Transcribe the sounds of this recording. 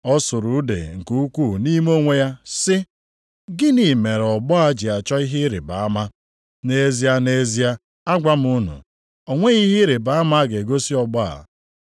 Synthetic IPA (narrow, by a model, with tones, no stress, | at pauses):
ɔ˦sʊ˨ɾu˨˦dḛ˨ŋ̩˨ku˦u˦kʷu˦˨ni˦m˦o˦ŋʷe˦ja˦sɪ˦ | ɡɪ˦ni˨me˨ɾɔ˨bɔ˦a˦d͡ʒi˨a˨t͡ʃɔ˦i˦ɦɪ˦ɾɪ̰˨ba˨a˦ma˦ | ne˦zi˦a˦ne˦zi˦a˦ | a˦ɡʷa˦m̩˦u˦nṵ˨ | o˨ŋʷe˦ɣi˦ɦɪ˦ɾɪ˨ba˨a˦ma˦ɡe˨ɡo˦si˦ɔ˨ɡ͡bɔ˦a̰˨